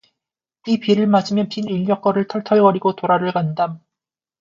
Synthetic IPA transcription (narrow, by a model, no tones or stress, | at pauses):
ipiɾɯɭmad͡ʑimjʌnpiniʎːʌk͈ʌɾɯɭtʰʌɭtʰʌɭwʌɾiɡotoɾaɾɯɭkandam